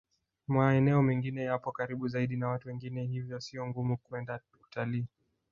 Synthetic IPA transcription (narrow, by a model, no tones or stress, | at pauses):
maɛnɛɔmɛŋɡinɛjapɔkaɾiɓuzaiɗinawatuwɛŋɡinɛhivjɔsiɔŋɡumukuɛnda | utaliː